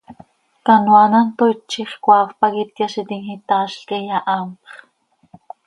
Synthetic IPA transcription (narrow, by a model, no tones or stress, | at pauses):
kanwanant̪oit͡ʃiχkʷaːfpakit̪̚kaʃit̪iŋhit̪aːʃɬkijaʔampχ